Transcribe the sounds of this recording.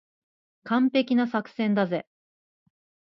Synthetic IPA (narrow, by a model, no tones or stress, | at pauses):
kãmpe̞kʲinasakɯ̟̥sẽ̞nd̪aze